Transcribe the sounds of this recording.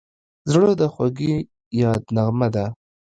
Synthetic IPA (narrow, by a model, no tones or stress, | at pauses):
zɽod̪əxwaɡi | jɑd̪naɣmad̪a